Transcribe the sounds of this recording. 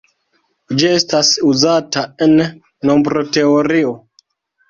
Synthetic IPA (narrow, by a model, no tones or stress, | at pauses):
d͡ʒie̞stasuzataenː | o̞mbɾote̞oɾio